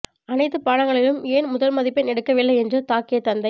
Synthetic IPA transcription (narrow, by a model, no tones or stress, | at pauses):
ɐnɐɪt̪ːɯpaːɽɐŋɡɐɭɪlɯmeːnmʊðɐlmɐðɪpːɐɪnɛɽɯkːɐʋɪlːɐɪɛndrɯt̪aːkːɪjɐt̪ːɐnd̪ɐɪ